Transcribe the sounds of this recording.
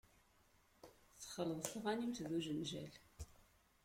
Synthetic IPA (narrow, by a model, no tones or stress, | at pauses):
θə̥χələðˤθəʁɑnimt̪ðuʒənʒæl